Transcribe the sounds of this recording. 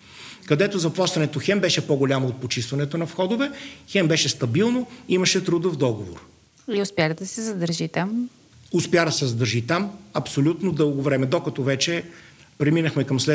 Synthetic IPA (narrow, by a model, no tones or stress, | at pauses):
kɐd̪ɛt̪ozɐplˠaʃt̪ɐnɛt̪oxɛmbɛʃɛpoɡolʲamoːt̪̚pot͡ʃist̪vɐnɛt̪onɐfxɔd̪ʊvɛxɛmbɛʃɛst̪ɐbilˠnoimɐʃɛt̪ɾud̪əvd̪ɔɡovo̰ɾ | liʊspʲjaxd̪ɐsɛzɐd̪əɾʒit̪am | ʊspʲjad̪ɐsɛzɐd̪əɾʒit̪amɐpsolʲut̪nod̪ɤlˠɡovɾɛmɛd̪okɐt̪ɔvɛt͡ʃɛ | pɾɛminəxmɛkɐmslɛ